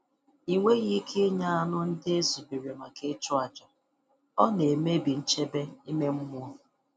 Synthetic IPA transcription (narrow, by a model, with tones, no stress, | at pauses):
i˨ŋʷe˦ɣi˦kʰe˦ɲa˦a˦nʊ˦n̩˦dɪ˦e˦su˨bi˨ɾe˨ma˨ke˦t͡ʃʊ˦a˨d͡ʒɔ˨ | ɔ˦ne˨me˦bi˨n̩˦t͡ʃe˦be˦i˦me˦m̩˦mʊ˦ɔ˦